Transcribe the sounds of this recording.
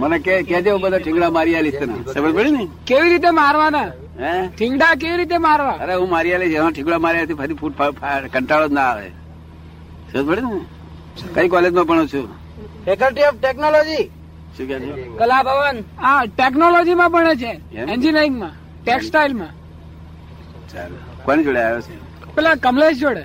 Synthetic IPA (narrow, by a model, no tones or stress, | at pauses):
mənekekɛt͡ʃʰeɦũbəd̪ʱaʈʰĩŋɡɽamaɾijalist̪na̰səbət̪̚pʰəɽinəikeʋiɾit̪̬emaɾʋana | eʈʰɪŋɡɽak̬eʋiɾit̪emaɾʋaəɾeɦũmaɾialit͡ʃʰeãʈʰĩŋɡɽamaɾijat̪ʰipʰəɾipʰuʈpʰapʰakəɳʈalod͡ʒnaːʋḛ | səbəd̪pʰəɽinəi | kəikɔled͡ʒmãbəɳ̃ũt͡ʃʰu | pʰekəlʈiɔbʈeknolod͡ʒi | ʃũkɛt̪ʰekəlabʱəʋənaʈek̬nolod͡ʒimãbəɳ̃et͡ʃʰeend͡ʒineɾĩŋɡmã | ʈeksʈailmã | t͡ʃal | kanid͡ʒoɽeajot͡ʃʰḛ | pɛlakəmled͡ʒd͡ʒoɽe